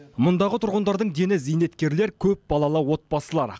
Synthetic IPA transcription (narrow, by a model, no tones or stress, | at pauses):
mʊnd̪ɑʁət̪ʰʊɾʁənd̪ɑɾd̪əɴd̪e̞nɪzijne̞t̪kʲe̞ɾle̞ɾkʲʰɵp̚bɑlˠɑlˠəwo̞t̪̚bɑsəlˠɑɾ